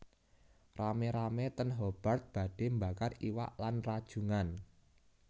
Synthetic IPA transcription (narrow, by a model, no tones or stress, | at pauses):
rameɾamet̪ənɦob̥a̤rt̪̚b̥ä̤ɖ̥e̤mbakariwa̰ʔlanrad̥ʒ̥ṳŋan